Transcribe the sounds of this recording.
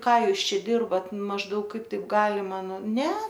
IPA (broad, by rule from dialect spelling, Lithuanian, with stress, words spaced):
ˈkɑː ˈjuːs ˈt͡ʃʲɛ ˈdʲɪrbɐt mɐʒˈdɐʊk ˈkɐɪp ˈtɐɪp ˈɡɑːlʲɪmɐ nʊ ˈnʲɛ